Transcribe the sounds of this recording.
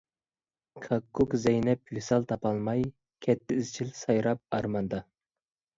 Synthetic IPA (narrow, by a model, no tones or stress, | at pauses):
kʰɑkːukzɛjnɛpjysɑlˠt̪ʰɑpɑlˠmɑj | kʲʰɛt̪ʰːɪizt͡ʃʰilsɑjɾɑp̚ɑɾmɑnd̪ɑ